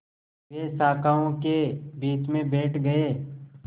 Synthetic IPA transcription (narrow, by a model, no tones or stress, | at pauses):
ʋeːsaːkaːõkebiːt͡ʃmẽbeːʈʰɡɐeː